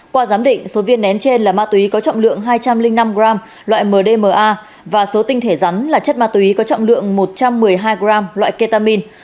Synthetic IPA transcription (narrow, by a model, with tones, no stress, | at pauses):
kwaː˧zaː˨˦mɗḭ̈˧˨ŋ̟so˨˦vi˧ənːɛ˨˦nt͡ɕe˧nlaː˨˩maː˧t̪wi˨˦kɔ˨˦t͡ɕɔ̰˧˨wŋ͡mlɨ̰˧˨əŋɦaː˧jt͡ɕa˧mlï˧ŋna˧mɣɾaː˧m | lwa̰ː˧˨jməː˨˩ɗe˧məː˨˩ʔaː˧ | vaː˨˩so˨˦t̪ï˧ŋ̟t̪ʰe˧˩za˨˦nlaː˨˩t͡ɕə˦˥t̚maː˧t̪wi˨˦kɔ˨˦t͡ɕɔ̰˧˨wŋ͡mlɨ̰˧˨əŋmo˨˩t̚t͡ɕa˧mːɨ˨˩əjɦaː˧jɣɾaː˧mlwa̰ː˧˨jke˧t̪aː˧mi˧n